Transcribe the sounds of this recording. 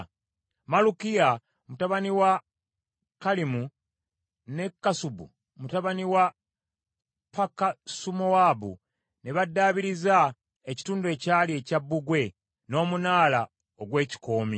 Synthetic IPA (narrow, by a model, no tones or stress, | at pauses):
malukija | mutaβaniwa | kalimu | ne̞kːasubṵ | mutaβaniwa | pakasumowabṵ | ne̞βadːaːβiɾiza | eci̥tuːndue̞ːcaːlie̞ːcabːuɡwe̞ | no̞ːmunaːla | oɡwe̞ːci̥ko̞ːmi